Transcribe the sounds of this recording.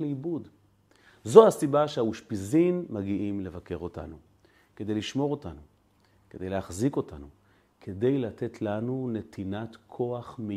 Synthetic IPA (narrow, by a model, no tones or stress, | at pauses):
libud | zo̞hasibaʃeauʃpizinmaɡiʔimle̞vake̞ʁo̞ta̰nu | ked̪e̞jliʃmo̞ʁo̞tanu | ke̞d̪e̞jlehaχziko̞tanu | kʰede̞jlate̞tʰlanune̞tʰinatkʰo̞aχmi